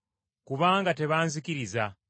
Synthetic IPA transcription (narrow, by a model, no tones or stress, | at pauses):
kuβaːŋɡate̞βaːnzikiɾiza